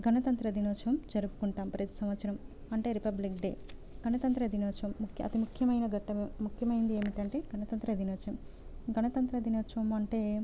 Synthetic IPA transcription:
ɡʱɐnɐt̪ɐnt̪ɾɐd̪inoːt͡ʃɐʋɐmd͡ʒɐɾupu̥kuɳʈaːmpɾɐt̪i̥sɐmʋɐt̪sɐɾɐm | ɐɳʈe̞ːɾipɐblikɖḛːɡʱɐnɐt̪ɐnt̪ɾɐɐd̪inoːt͡ʃɐɐmːukjɐɐ̰t̪imukʰːjɐmɐjnɐɡʱɐʈːɐmemukʰjɐmɐjind̪ieːmiʈɐɳʈe̞ːɡʱɐnɐt̪ɐnt̪ɾɐɐd̪inoːt͡ʃɐmɡʱɐnɐt̪ɐnt̪ɾɐd̪inoːt͡ʃɐʋɐmɐɳʈe̞ː

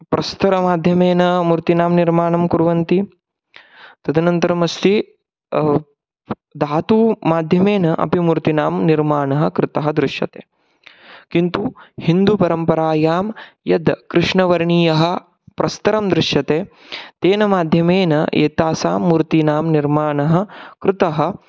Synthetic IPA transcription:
pɾɐst̪ɐɾɐmaːd̪ʱjɐmeːnɐmuɾt̪inaːmniɾmaːɳɐmkuɾʋɐnt̪i | t̪ɐd̪ʱɐnɐnt̪ɐɾɐmɐst̪i | d̪aːt̪uːmaːd̪ʱjɐmeːnɐʔɐ̰pimuɾt̪inaːmniɾmaːɳɐɦɐkɾɪt̪ɐɦɐd̪ɾɪʂjɐ̰t̪eː | kint̪uhind̪upɐɾɐmpɐɾaːjaːmjɐd̪kɾɪʂɳɐʋɐɾɳiːjɐɦɐ̆ | pɾʔɐst̪ɐɾɐmd̪ɾɪʂjɐt̪eː | t̪eːnɐmaːd̪ʱjɐmeːnɐ̰ḛːt̪aːsa̰ːmːuɾt̪inaːmniɾmaːɳɐɦɐ̆kɾɪt̪ɐɦɐ̆

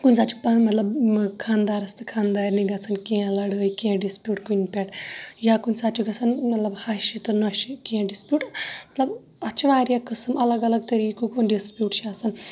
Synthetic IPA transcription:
kunʲsaːt͡ʃʰu̥pamɐt̪lɐbkʰaːnd̪aːɾɐst̪ɨkʰaːnd̪aːɾniɡɐt͡sʰankẽlɐɽəːjkẽɖispʲjuːʈkunpʲeʈjakunʲsat͡ʃʰuɡɐt͡sʰɐnmɐt̪lɐbhaʃit̪ɨnuʃikĩɖispʲjuːʈmɐt̪lɐb | ɐt͡ʃʰiʋaːɾijakəsɨmɐlɐɡɐlɐɡ̚t̪ɐɾikukonɖispʲjuːʈt͡ʃʰiaːsɐn

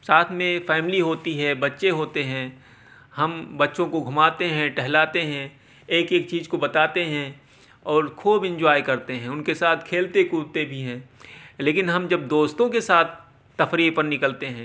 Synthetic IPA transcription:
saːt̪ʰmẽfɛːmɪliɦoːt̪iɦɛbɐtːʃeɦoːt̪eɦɛ̃ː | hɐmbɐtːʃõkoɡʱʊmaːt̪eɦɛ̃ʈɛɦlaːt̪eɦɛ̃ː | eːkeːk̚t͡ʃiːzkobɐt̪aːt̪eɦɛ̃ː | ɔːɾkʰuːbɪ̃nd͡ʒwaːikɐɾt̪eɦɛ̃ːʊnkesaːt̪ʰkʰeːlt̪ekuːɾt̪ebʱiɦɛ̃ːleːkɪnɦɐmd͡ʒɐb̚d̪oːst̪õkesaːt̪ʰː | ɐfɾiːpɐɾnɪkəlt̪eɦɛ̃ː

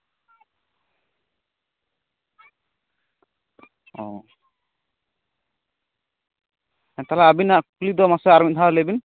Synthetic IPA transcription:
ɔ | ɛnt̪alaabinaʔkulid̪ɔmasɛaɾmit̪̚t̪ʰalɛbin

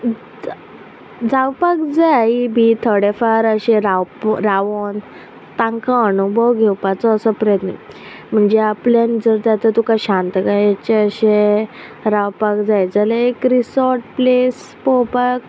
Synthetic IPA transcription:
d͡zawpakd͡zaibit̪ʰəɽefaɾəɕẽɾawpɾaʋon | t̪ãŋkãːnubʱɔwɡʱewpat͡sɔːsɔpɾəjət̪nə | m̤əɳd͡zeapljand͡zəɾd͡zat̪ət̪ukaɕãnt̪kajat͡ɕeəɕe | ɾawpakd͡zajd͡zələekɾisɔɾʈ̚ples | pɔpak̚

